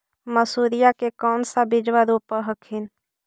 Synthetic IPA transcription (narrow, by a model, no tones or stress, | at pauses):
məsuːɾijakekɔːnsabɪd͡ʒʋaɾuːpːəɦəkʰɪn